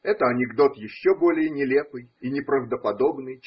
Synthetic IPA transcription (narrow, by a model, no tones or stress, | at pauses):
ɛt̪əɐnʲɪɡd̪o̞t̪jɪɕːobo̞lʲɪjənʲɪlʲe̞pɨjinʲɪpɾəvd̪əpɐd̪o̞bnɨj